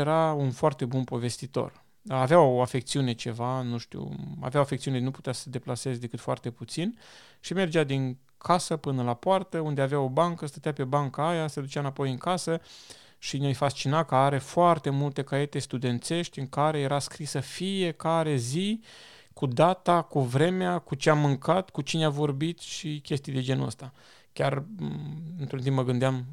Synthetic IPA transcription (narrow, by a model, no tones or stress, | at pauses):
eɾaunfoart̪e̞bunpo̞ve̞st̪it̪o̞̰r | aveawoafek̚t̪siune̞t͡ʃe̞vanuʃt̪ṵa̰veawoafekt̪siunenuput̪easəd̪e̞plase̞zd̪e̞kɨt̪foa̰rt̪e̞put̪sin | ʃime̞rd͡ʒad̪iŋ | kʰasəpɨnəlapoart̪əund̪eaveao̞baŋkəst̪ət̪eape̞baŋkəajased̪ut͡ʃamnapo̞jɨŋkasə | ʃinʲajfast͡ʃinakəaɾe̞foart̪e̞mult̪e̞kaje̞t̪e̞st̪ud̪e̞nt̪se̞ʃt̪ʲɨŋkaɾe̞je̞ɾaskɾisəfije̞kaɾe̞zi | kud̪at̪akuvɾe̞meakut͡ʃeamːɨŋkat̪kut͡ʃineavo̞rbit̪ʃikʲe̞st̪ijd̪e̞d͡ʒe̞nə̰st̪a | kʲar | ɨnt̪ɾunt̪impməɡɨnd̪eam